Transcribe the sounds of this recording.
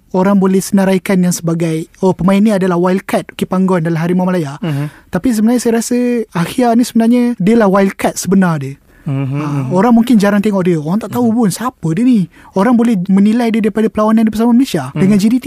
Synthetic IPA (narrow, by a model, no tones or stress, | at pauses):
oɾaŋbolɛhsənaɾajkanjaŋsəbaɡajopəmainːiadalahwailkat̪̚ukepaŋɡɔndalamɦaɾimamlajat̪apis̬əbənarɲəsajəɾasəaxianisəbənarɲədiəlahwailkat̪̚səbənardə | əoɾaŋmuŋkɪnd͡ʒaɾaŋt̪eŋɔʔ̚diəoɾaŋt̪aʔt̪aupʊnsapədiəni | oɾaŋbolɛhmənilajdidipadapəlawanãndipəs̬amaməlesiadəŋand͡ʒidit̪i